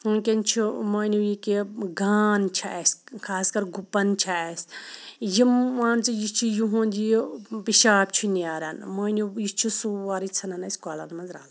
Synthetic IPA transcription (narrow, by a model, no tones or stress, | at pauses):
ukʲent͡ʃʰumɐːnujikeɡaːnt͡ʃʰaeskʰaːskɐɾɡupːɐnt͡ʃʰaesjimaːnt͡sɨjist͡ʃʰujuɦũːnd͡ʒijpiʃaːpt͡ʃʰunaːɾɐ̰nmɐːnujist͡ʃʰusuaːɾit͡sʰɐnɐnɐsʲkwaːla̰nmɐnzɾa̰ːl